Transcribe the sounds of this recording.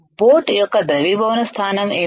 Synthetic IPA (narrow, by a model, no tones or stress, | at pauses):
poːʈjɔkːɐd̪ɾɐʋibʱɐʋɐnɐst̪ʰaːnɐmeː